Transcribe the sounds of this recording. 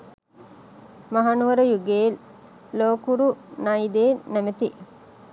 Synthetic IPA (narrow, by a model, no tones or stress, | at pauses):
mɐɦanuʋɐɾujuɡeːlː | oːkuɾunɐid̪eːnemet̪i